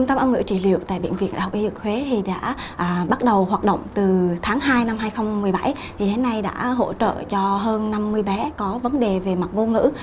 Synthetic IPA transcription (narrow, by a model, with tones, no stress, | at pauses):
ə˧wŋ͡mt̪ə˧mʔə˧wŋɨ̰˧˥t͡ɕi˧˩lḭ˧˨əwt̪a̰ː˧˨jɓḭ˧˨ənvḭ˧˨ənɗa̰ː˧˩hk͡p̚ʔi˧zɨ˨˩k̚hwe˨˦t̪ʰi˨˩ɗa̰ː˧˥ʔːɓa˦˥t̚ɗə˨˩whwaː˨˩t̚ɗə̰˧˨wŋ͡mt̪ɨ˨˩t̪ʰaː˨˦ŋɦaː˧jna˧mɦaː˧jxə˧wŋ͡mmɨ˨˩əjɓa˧˩j | t̪ʰi˨˩ɗe˨˦na˧jɗa̰ː˧˥ɦo̰˧˥t͡ɕə̰ː˧˨t͡ɕɔ˧ɦəː˧nːa˧mːɨ˧əjɓɛ˨˦kɔ˨˦və˨˦nɗe˨˩ve˨˩ma˨˩t̚mo˧ŋɨ̰˧˥